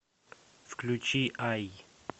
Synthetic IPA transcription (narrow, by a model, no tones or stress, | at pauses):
fklʲut͡ʃiʔaj